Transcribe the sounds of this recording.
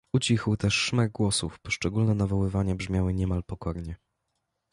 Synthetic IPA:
ut͡ɕixwt̪ɛʂːmaɡ̚ɡwɔsufpɔʂt͡ʂɛɡulnɛnavɔwɘvaɲabʐmʲjawɘɲɛmalpɔkɔɾɲɛ

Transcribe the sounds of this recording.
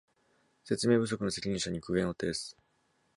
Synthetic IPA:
se̞t͡sɨme̞ːbɯ̟s̬o̞kɯ̟no̞se̞kʲiɲ̟ĩɰ̃ɕaɲ̟ikɯ̟ɡʲẽɰ̃o̞t̪ːed̪esɨ̥

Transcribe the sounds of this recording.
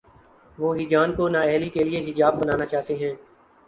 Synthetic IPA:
ʋoːɦɪd͡ʒaːnkonaːɛːlikelɪeɦɪd͡ʒaːbːənaːnaːt͡ʃaːt̪eɦɛ̃ː

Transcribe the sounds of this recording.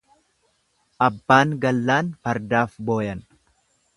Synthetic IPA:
ʔɐbːaːŋɡɐlːaːnpɐɾd̪aːfbo̞ːjɐn

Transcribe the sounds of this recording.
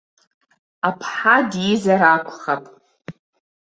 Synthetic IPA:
apʰħadjizaɾakʷʰʼχapʼ

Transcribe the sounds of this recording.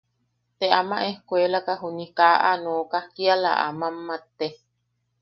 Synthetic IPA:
t̪eʔamãʔehkʷelakaɦunikaʔa̰noːkahkiala̰ʔa̰mamːat̪e

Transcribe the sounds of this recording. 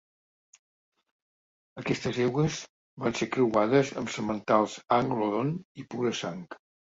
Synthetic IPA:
əkɛst̪əzɛwɣəz | bansekɾəwaðəzəmsəmənt̪alˠzaŋɡloðonipuɾəsaŋk

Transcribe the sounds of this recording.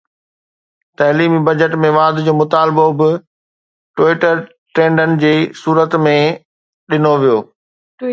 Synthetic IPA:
t̪ɐɦliːmibɐd͡ʑəʈmẽʋaːd̪d͡ʑoːmʊt̪aːlɪbobɪ | ʈwiːʈəɾ | ʈɾẽːɳɖənɪ̆d͡ʑeːsuːɾət̪mẽ | ɗɪnoʋijoː

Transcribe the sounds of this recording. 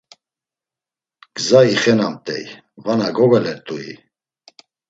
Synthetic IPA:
ɡ̥zaiχɛnamt̪ʼɛ̰j | vanaɡɔɡalɛɾt̪ʼuḭ

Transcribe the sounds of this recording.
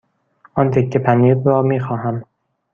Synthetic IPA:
ʔɒːnt̪ʰecʰːepʰæniːɾɾɒːmiːxɒːɦæm

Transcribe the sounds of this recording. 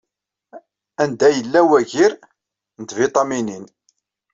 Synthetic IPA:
ænd̪æjəlːæwæʝiɾ | nət̪vɪt̪ˤɑminin

